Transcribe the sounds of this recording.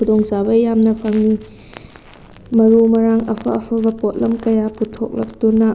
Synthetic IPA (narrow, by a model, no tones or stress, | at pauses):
udoŋsabɐjamnɐpʰɐŋni | mɐɾumɐɾaŋɐ̰pʰɐ̰ɐpʰɐbɐpot̚lɐmkɐjaputʰok̚lɐk̚tuna